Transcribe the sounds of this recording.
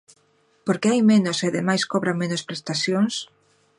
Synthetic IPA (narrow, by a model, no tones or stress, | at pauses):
poɾkeajmenoseaðemajskoβɾamenospɾest̪aθjoŋs